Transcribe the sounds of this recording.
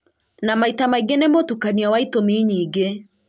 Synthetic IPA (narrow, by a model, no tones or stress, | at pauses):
namaitamaiɡenemotukaniawaitomiɲiːɡe